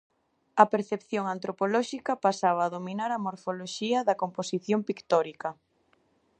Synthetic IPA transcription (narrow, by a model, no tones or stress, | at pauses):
ɐpeɾθepθjoŋant̪ɾopolɔʃikɐpasaβ̞ɐːðominaɾɐmoɾfoloʃiɐðɐkomposiθjompikt̪ɔɾikɐ